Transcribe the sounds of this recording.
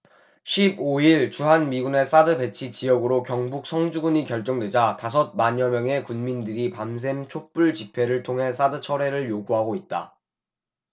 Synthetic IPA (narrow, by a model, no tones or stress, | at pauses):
ɕʰiboiɭt͡ɕuɦanmiɡune̞s͈adɯbe̞t͡ɕʰit͡ɕijʌɡɯɾokjʌŋbuk̚sʰʌŋd͡ʑuɡuɲikjʌɭt͡ɕ͈ʌŋdwe̞d͡ʑatas̬ʰʌt̚maɲʌmjʌŋɦe̞kunmindɯɾipams̬ʰe̞mt͡ɕʰok̚p͈uɭt͡ɕipʰe̞ɾɯɭtʰoŋɦe̞s͈ʰadɯt͡ɕʰʌɾe̞ɾɯɭjoɡuɦaɡoit̚t͈a̰